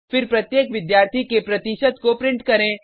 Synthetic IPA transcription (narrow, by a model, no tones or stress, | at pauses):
fɪɾpɾɐt̪jeːkʋɪd̪jaːɾt̪ʰikepɾɐt̪ɪʃəd̪kopɾɪ̃ɳʈkɐɾẽː